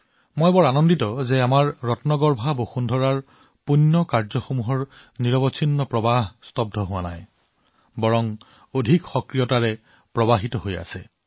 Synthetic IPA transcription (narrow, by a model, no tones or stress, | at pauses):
mojbɔɹanɔnditɔzɛamaɹːɔtnɔɡɔɹbʱaboxundʱɔɹaɹ | punːɔkaɹzɔxomuɦɔɹ | niɹɔbɔsʰinːɔpɹɔbaɦstɔb̚dʱɔɦʊwana̰j | bɔɹɔŋ | odʱikxɔkɹijɔtaɹɛ | pɹɔbaɦitɔɦoja̰sɛ